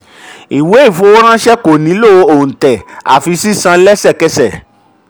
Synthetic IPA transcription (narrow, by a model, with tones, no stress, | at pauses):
i˨we˨˦i˦˨fo˧˦ɾ̃ã˦ʃɛ˦ko˨nĩ˨˦lo˦˨˧õ˨tɛ˨a̰˨fi˧si˦sã˧˦lɛ˦sɛ˦˨kɛ˧sɛ˨